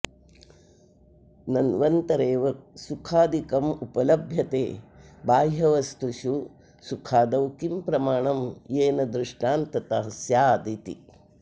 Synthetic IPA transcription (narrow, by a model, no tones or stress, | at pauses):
nɐnʋɐnt̪ɐɾeːʋɐsukʰaːd̪ikɐmupɐlɐbʱjɐt̪eːbaːjɦɐʋɐst̪uʃu | sukʰaːd̪ɐwkimpɾɐmaːɳɐmjeːnɐd̪ɾiʂʈaːnt̪ɐt̪ɐɦɐsjaːd̪it̪ḭ